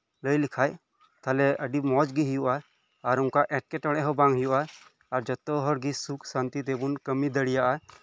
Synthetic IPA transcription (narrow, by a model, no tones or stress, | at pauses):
ləjlikʰaj | t̪ʰalɛʔəɖimɔd͡ʒɡiɦijuʔaː | ɾuŋkaʔɛʈ̚kɛʈɔɽ̃ɛʔɦɔbaŋɦijuʔaː | ɾd͡ʒɔt̪ɔɦɔɾɡisukʰsant̪it̪ebunkəmid̪əɽijaʔa